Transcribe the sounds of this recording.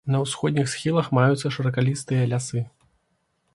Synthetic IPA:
nɐwsxɔd̪ʲnʲixsxʲilˠɐxmajut̪sːɐʂɐɾɐkalʲist̪ɨjɐlʲasɨ

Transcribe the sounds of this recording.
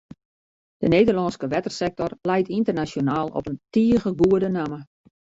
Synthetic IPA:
d̥əneːdərlɑnskəʋɛtərsɛk̚tɔrlɛjtintərnasjonaːlˠɔ̰pəntiəɣəɡuədənamə

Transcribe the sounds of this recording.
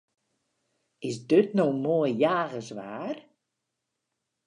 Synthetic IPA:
ɪsdøtnoːmoəjjaːɣəsʋaːr

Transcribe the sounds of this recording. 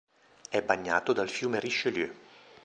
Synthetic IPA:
ɛbːaɲːa̰ːt̪od̪alfjuːmeriʃːeljø

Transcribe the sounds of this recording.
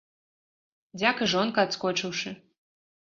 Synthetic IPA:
d͡zʲakɨʐɔnkɐːt̪skɔt͡ʂɨwʂɨ

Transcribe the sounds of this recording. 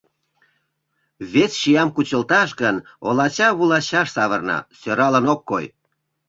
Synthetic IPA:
βesʃijɑmkut͡ɕəlt̪ɑʃɡən | olɑt͡ɕɑβulɑt͡ɕɑʃsɑβərnɑ̰søɾɑlənokːoj

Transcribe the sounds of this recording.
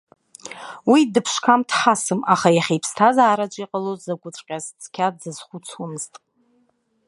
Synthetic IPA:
widɨpʰʃkʰamtʰħasɨmaχajaχʲejpʰstʰazaːɾat͡ʃʷʼiqʼalozzaɡʷʊt͡sʷʼqʲʼazt͡sʰʼkʲʰadzɨz̥χʷut͡sʰumɨztʼ

